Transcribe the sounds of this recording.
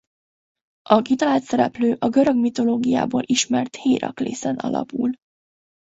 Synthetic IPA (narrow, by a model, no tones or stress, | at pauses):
ʔɒɡit̪ɒlaːt̪sɛɾɛpløːʔɒɡø̞ɾø̞ɡmit̪o̞loːɡija̰ːboːlʔiʃmɛrt̪heːɾɒklḛːsɛnʔɒ̰lɒ̰pul